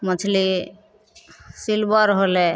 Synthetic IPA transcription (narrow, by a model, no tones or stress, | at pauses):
mət͡ʃʰli | silbəɾɦole